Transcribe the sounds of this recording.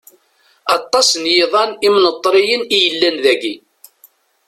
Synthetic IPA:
ɑt̪ˤːɑsnjeðˤɑnimnət̪ˤːɾijənijəlːænðæɡi

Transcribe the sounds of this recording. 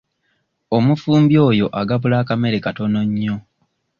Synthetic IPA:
omufuːmbjo̞ːjo̞ʔaɡaβulaːkame̞ɾekato̞no̞ɲːo̞

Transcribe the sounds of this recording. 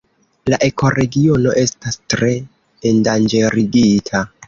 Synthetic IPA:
laʔe̞ko̞ɾeɡio̞no̞ʔe̞stastɾe̞ː | ndand͡ʒe̞ɾiɡitʰa

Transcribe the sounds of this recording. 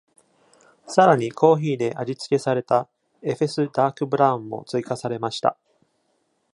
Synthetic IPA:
saɾaɲ̟ikʰo̞ːçiːd̪e̞ʔaʑit͡sɨ̥ke̞saɾe̞t̪a | e̞ɸe̞sɨd̪aːkɯ̟bɯ̟ɾãmːo̞̰t͡sɨikasaɾe̞maɕi̥t̪a̰

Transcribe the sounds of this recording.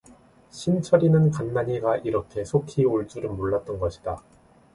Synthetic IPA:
ɕʰimt͡ɕʰʌɾinɯnkanːaɲiɡaʔiɾʌkʰe̞sʰokʰioɭt͡ɕ͈uɾɯnmoɭːat̚t͈ʌnɡʌɕʰi̥d̥a

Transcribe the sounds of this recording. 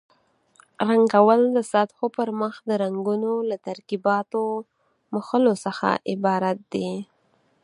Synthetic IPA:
ɾaŋɡawəld̪əsat̪xopəɾməxd̪əɾaŋɡunolat̪aɾkibɑt̪o | məxəlosəxa̰ʔɪbɑɾat̪̚d̪e

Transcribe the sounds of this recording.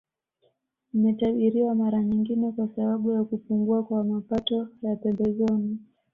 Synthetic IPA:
nimɛtaɓiɾiwamaɾaɲiŋɡinɛkwasaɓaɓujakupuŋɡuakwamapatɔjapɛmbɛzɔni

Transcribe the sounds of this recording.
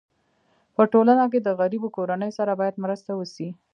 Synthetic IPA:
pəʈolanak̬ed̪əɣaɾibokoɾanəjosaɾabɑjad̪mɾəst̪awəsi

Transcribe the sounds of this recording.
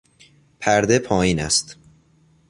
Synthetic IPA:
pʰæɾd̪e̞pʰɒːjiːnæ̰st̪

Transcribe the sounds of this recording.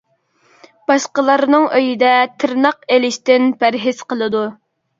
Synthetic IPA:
b̥ɑʃqəlˠɑɾnɨŋʔøjid̪ɛt̪ʰɪɾnɑqelɪʃt̪ɪnpʰæɾɦɪz̥qəlˠɨd̪u

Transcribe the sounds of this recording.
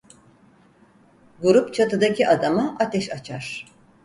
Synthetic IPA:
ɡuɾupt͡ʃʰat̪ɯd̪acʰiʔad̪amaʔat̪ʰɛʃat͡ʃʰaɾ̥

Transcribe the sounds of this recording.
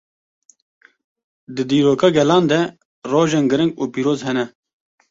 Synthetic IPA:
d̪ɨd̪iːɾoːkɑɡɛlɑːnd̪ɛ | roːʒenɡɨɾɨŋɡuːpiːɾoːzhɛnɛ

